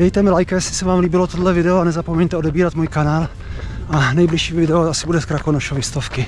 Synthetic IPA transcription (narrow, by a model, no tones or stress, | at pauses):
dɛjt̪ɛmɪlajkajɛsɪ̥sɛvaːmliːbɪlot̪odlɛvɪdɛoanɛzapomɛɲt̪ɛodɛbiːɾat̪muːjkanaːl | ʔanɛjblɪʃiːvɪdɛoasɪbudɛskɾakonoʃovɪst̪ofkɪ